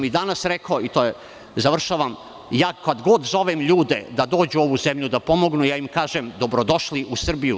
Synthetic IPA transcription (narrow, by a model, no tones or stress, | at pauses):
mid̪anasɾekoit̪oːje | zaʋr̩ʃaʋam | jaːkad̪ɡo̞d̪zo̞ʋemʎuːd̪ḛd̪ad̪o̞ːd͡ʑuo̞ʋuzemʎud̪apo̞mo̞ɡnujaːimkaːʒemd̪o̞bɾod̪o̞ʃliʔusr̩biju